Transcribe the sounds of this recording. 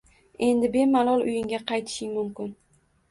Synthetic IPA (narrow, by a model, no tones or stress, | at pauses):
e̞nd̪ɪbe̞malˠɒlˠʊjɪŋɡʲaqɑjt̪ʰɪ̥ʃɪŋmʊmkʲɪn